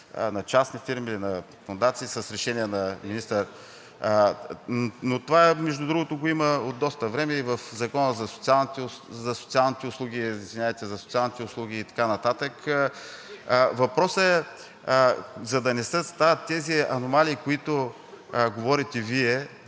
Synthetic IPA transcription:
nɐt͡ʃasnifiɾmilinɐ | fʊnd̪at̪siːsəsɾɛʃɛnʲiɛnɐminist̪əɾ | not̪ovaɛmɛʒd̪ʊd̪ɾuɡot̪oɡoiməod̪ːɔst̪əvɾɛmɛivəfzɐkɔnəzɐso̥t̪sialˠnt̪zɐsot̪sialˠnit̪ɛʊslˠuɡʲiizvinʲavɛt̪ɛzɐso̥t̪sialˠnit̪ɛʊslˠuɡ̟ʲiːt̪ɐ̥kanɐt̪at̪ək | vɐpɾɔsəɛ | zɐd̪ɐnɛsɛst̪avɐt̪ːɛziɐnomaliːkoit̪o | ɡovɔɾit̪ɛviɛ

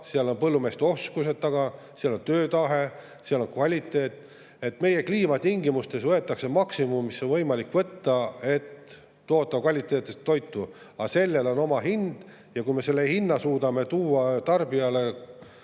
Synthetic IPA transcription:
seɑlo̞npɤlːume̞ːst̪eo̞skuse̞dt̪̚t̪ːɑɡ̥ɑ | seɑlo̞nt̪øːt̪ɑɦe̞ | seɑlo̞nkvɑlʲit̪ːˑe̞ːt̪ | e̞t̪me̞je̞kliːmɑt̪iŋɡimust̪e̞svɤet̪ːˑɑksemɑksimumːisːo̞nvɤjmɑlikvɤt̪ːɑe̞t̪ː | o̞ːt̪ːˑɑkvɑlʲit̪ːˑeːt̪ːˑest̪ːo̞jt̪ːˑu | ɑse̞lːe̞lo̞no̞mɑɦind̪̥ | jɑkujme̞se̞lːe̞hinːɑsuːd̪ɑme̞t̪uːɑt̪ɑrb̥iɑle̞

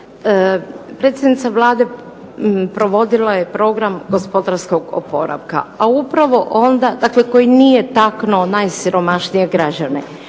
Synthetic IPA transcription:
pɾet̪sjed̪nit̪saʋlaːd̪e̞ | pɾo̞ʋo̞d̪ilaje̞pɾo̞ɡɾamɡo̞spo̞d̪aɾsko̞ɡo̰po̞ɾa̰ʋka̰aupɾaʋo̞ʔo̞nd̪ad̪akle̞ko̞jinijet̪aknonajsiɾo̞maʃnije̞ɡɾad͡ʑane

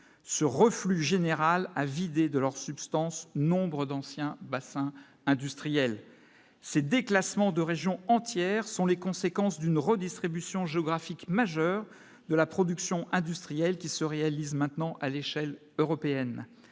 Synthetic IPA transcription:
səʁəflyʒeneʁalavid̪ed̪əlœʁsypst̪ɑ̃snɔ̃bʁəd̪ɑ̃sjɛ̃basɛ̃ | ɛ̃d̪yst̪χijɛl | sed̪eklasmɑ̃d̪əʁeʒjɔ̃ɑ̃t̪jɛʁsɔ̃lekɔ̃sekɑ̃sd̪ynʁəd̪ist̪χibysjɔ̃ʒeɔɡʁafikmaʒœʁ | d̪əlapχɔd̪yksjɔ̃ʔɛ̃d̪yst̪χijɛlkʲisəʁealizmɛ̃t̪nɑ̃ʔaleʃɛl | øʁɔpeɛn

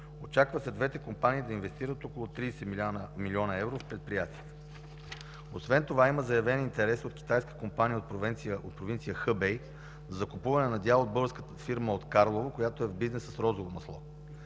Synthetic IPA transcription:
ot͡ʃakvəsɛd̪vɛt̪ɛkompaniːd̪ɐinvɛst̪iɾət̪okolˠot̪ɾisɛmilʲiɔnəɛvɾofpɾɛt̪̚pɾijat̪iət̪ə̥ | osvɛnt̪ovaiməzɐjɐvɛnint̪ɛɾɛsot̪k̟ʲi̥t̪ajskə̥kompanijəot̪pɾovɛnt̪siəot̪pɾovint̪sijəxəbɛj | zɐkʊpuvɐnɛnɐd̪ʲalˠod̪̚bɤɡəɾskət̪əfiɾməot̪kaɾlˠovəkojat̪oɛvbiznɛsəsɾɔzovomɐslˠɔ̰

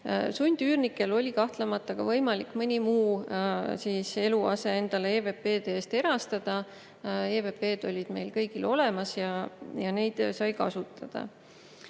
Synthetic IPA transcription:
sunʲd̪̥yːrnikːˑe̞lo̞lʲikɑht̪lemɑt̪ːˑɑkɡ̥ɑvɤjmɑlikːˑmɤnʲimuː | siːse̞luɑ̰se̞e̞nd̪̥ɑleeːve̞pːe̞ːt̪eeːst̪e̞ɾɑst̪ɑd̪̥ɑ | eːve̞pe̞ːd̪̥o̞lʲid̪̥me̞jlkɤjɡ̥ilo̞le̞mɑsjɑjɑne̞jd̪̥sɑjkɑ̰sut̪ˑːɑd̪̥ɑ̰

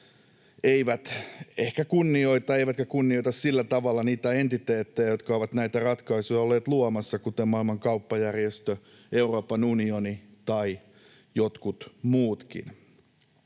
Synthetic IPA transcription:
eiʋæt̪ehkækunːio̞it̪ɑeiʋæt̪kækunːioit̪ɑssilːæt̪ɑʋɑlːɑniːt̪æe̞nt̪it̪eːt̪ːejæjot̪kɑoʋɑt̪næit̪ærɑt̪kɑisujɑolːeːt̪luomɑsːɑkut̪emmɑilmɑŋkɑupːɑjærjest̪ø | e̞uro̞ːpɑnunionit̪ɑi | jot̪kut̪muːt̪kḭn

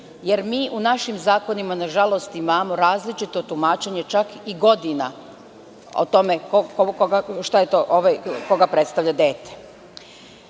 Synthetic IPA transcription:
je̞ɾmiːʔunaʃimzaːko̞nimanaʒalo̞st̪imaːmo̞ɾaːzlit͡ʃit̪o̞t̪umaːt͡ʃe̞ɲe̞t͡ʃakiɡo̞d̪ina̰ | o̰t̪o̞mekokokoɡaʃt̪ajet̪oʔoʋako̞ɡapɾet̪st̪aʋʎʲad̪eːt̪e̥

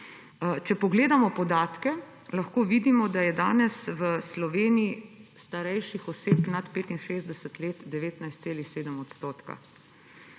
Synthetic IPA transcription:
t͡ʃɛpɔɡleːd̪amɔpɔd̪aːt̪kɛ | laxkoːʋid̪imɔd̪ajɛd̪aːnɛsʋəslɔʋeːniist̪aɾɛjʃixɔseːpnat̪peːt̪inʃeːzd̪ɛsət̪leːt̪d̪ɛʋeːt̪najst̪seːlixseːd̪əmɔt̪st̪oːt̪ka̰

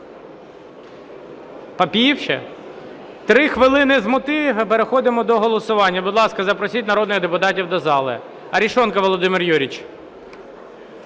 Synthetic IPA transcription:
pɐpʲiiwʃɛ̰ | t̪ɾɪxʋɪlˠɪnɪzmʊt̪ɪɦpeɾexɔd̪ɪmɔd̪ɔɦɔlˠɔsʊʋɑnʲːɐbʊd̪lˠɑskɐzɐpɾɔsʲit̚ʲnɐɾɔd̪nɪɣd̪epʊt̪ɑtʲiwd̪ɔzɑlˠɪ̰ | ɐɾʲiʃɔnkɐʋɔlˠɔd̪ɪmɪrjuɾʲit͡ʃ

